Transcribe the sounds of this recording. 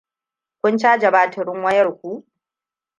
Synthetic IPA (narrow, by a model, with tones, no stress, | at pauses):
kʷʊ˦nt͡ʃaː˦d͡ʒɐ˨baː˨tʰɐ˨ɾɪ˦ŋwɐ˦jɐ˦˨rkʷu˦ʔ